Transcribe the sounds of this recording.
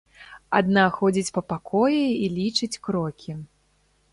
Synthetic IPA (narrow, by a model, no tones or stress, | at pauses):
a̰d̪naxɔd͡zʲit͡sʲpɐpakʰɔjiilʲit͡ʂɨt͡sʲkɾɔkʲi